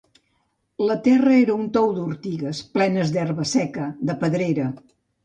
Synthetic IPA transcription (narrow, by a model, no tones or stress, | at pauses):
lət̪ɛrəeɾəunt̪ɔwd̪uɾt̪iɣəsplɛnəzd̪ɛrβəsɛkəd̪əpəðɾeɾə